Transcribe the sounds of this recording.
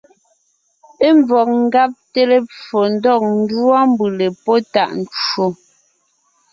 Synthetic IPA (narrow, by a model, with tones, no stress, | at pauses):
e˦ɱb͡vɔ˨k̚ŋ̩˦ɡa˦p̚te˦le˦p͡fo˨n̩˦dɔ˦˨k̚n̩˦dwa˦m˦bɯ˨le˨pɔ˦ta˦˨ʔn˨t͡ʃo˦˨